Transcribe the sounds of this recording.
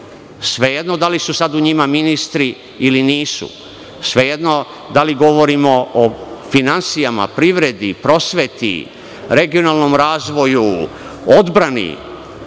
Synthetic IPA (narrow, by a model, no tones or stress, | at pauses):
sʋe̞jed̪no̞d̪alisusad̪uɲimaminist̪ɾiː | liniːsṵ | sʋe̞jed̪no̞ | d̪aliɡo̞ʋo̞ɾimo̞ofinansijama̰pɾiʋɾe̞d̪ipɾo̞sʋet̪ḭ | ɾe̞ɡio̞nalˠnomɾaːzʋo̞ju | o̞d̪bɾanḭ